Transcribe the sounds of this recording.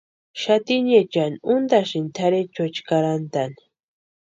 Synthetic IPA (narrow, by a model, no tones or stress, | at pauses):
ʃat̪inet͡ʃanʊnd̪aʃint̪ʰaɾet͡ʃot͡ʃkaɾant̪ani̥